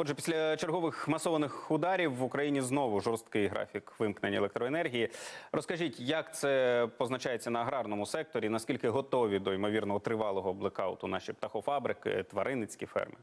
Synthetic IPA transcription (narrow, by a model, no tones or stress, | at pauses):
ɔdʒɛpʲi̥sʲlʲɐt͡ʃerɦɔʋɪxmɐsɔʋɐnɪxʊd̪ɑɾʲiwːʊkɾɐjinʲiznɔʋʊʒɔrst̪kɪjɦɾɑ̰fʲikʋɪmknenʲelˠek̚t̪ɾɔenɛrɦʲijirɔskɐʒʲitʲjɐkt̪sɛpɔznɐt͡ʃɑjet͡sʲːɐnɐːɦɾɑrnɔmʊsɛk̚t̪ɔɾʲinɐskʲilʲkɪɦɔt̪ɔʋʲid̪ɔimɔʋʲirnɔɦɔt̪ɾɪʋɑlˠɔɦɔblˠɛkɑʊt̪ʊnɑʃip̚t̪ɐxɔfɑbɾɪkɪ̰t̪ʋɐɾʔɪnɪt͡sʲkʲifɛ̰rmɪ